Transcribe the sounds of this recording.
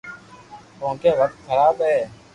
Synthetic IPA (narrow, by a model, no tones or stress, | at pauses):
õːkeːʋək̚t̪̚xəɾaːbɦɛː